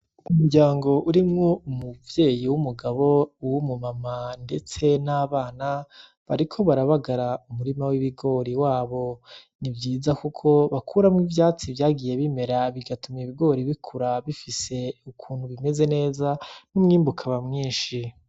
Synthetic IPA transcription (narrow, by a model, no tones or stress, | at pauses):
umuɾɟaːŋɡo̞ʔuɾimŋoumuvje̞ːjiwumuɡaβo̞wumumamande̞t͡se̞naːβaːna | βaɾikʰo̞βaɾaβaɡaɾaumuɾimawiβiɡo̞ɾiwaːβo̞ | nivjiːzakukʰo̞βakʰuɾamwivjaːt͡sivjaːɡije̞βime̞ɾaβiɡatumiβiɡo̞ːɾiβikʰuɾaβifise̞ukʰuːnhuβime̞ze̞ne̞ːzanumŋiːmbukʰaβamŋiːnʃi